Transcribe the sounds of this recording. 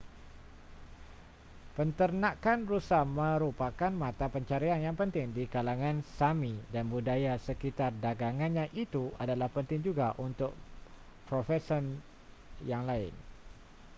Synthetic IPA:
pənt̪ərnãkanrusahmə̃ɾupakanmãt̪apəɲt͡ʃaɾianjaŋpənt̪ɪŋdikalaŋãnsamidanbudajasəkit̪ardaɡaŋanɲãʔit̪uadalahpənt̪ɪŋd͡ʒuɡaʔunt̪ʊk̚ | pɾofɛsən | jaŋlaɪ̰n

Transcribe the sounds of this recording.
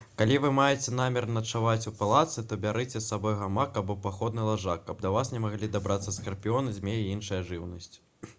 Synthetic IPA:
kalʲivɨmajɛt͡sʲɛn̪amʲɛrnɐt͡ʂavat͡sʲupalˠat̪sɨt̪ɔbʲaɾɨt͡sʲɛsːabɔjɣamakːɐbupaxɔd̪nɨlˠaʐakːɐbd̪ɐvasnʲɛmaɣlʲid̪abɾat̪sːɐskɐrpʲiɔnɨzʲmʲejiinʂɨjɐʐɨwnɐsʲt͡sʲ

